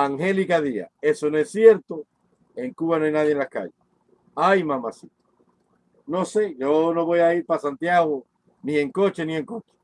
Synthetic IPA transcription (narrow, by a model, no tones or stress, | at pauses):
aŋhe̞likaðia̰e̞sonoesːje̞ɾt̪o | e̞ŋkuβanoajnaðjenlaska̰ʝes | ajmãmasit̪o̥ | no̞se̞ʝo̞no̞βo̞jaiɾpasant̪jaɣo | nie̞ŋko̞t͡ʃe̞nie̞ŋko̞t͡ʃe̥